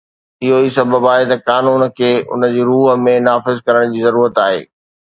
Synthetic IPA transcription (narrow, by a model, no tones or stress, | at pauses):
ɪɦoisɐbəbaːɦet̪ɐkaːnuːnkʰeːʔʊ̰nəd͡ʑiːɾuːɦə̆mẽnaːfɪzkɐɾəɽ̃d͡ʑiːzɐɾuːɾət̪aːɦḛː